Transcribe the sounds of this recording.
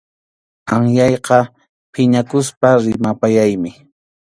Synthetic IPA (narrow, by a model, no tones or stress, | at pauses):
aŋjɑjqɑ | pʰɪɲakʊspaɾɪmapajajmɪ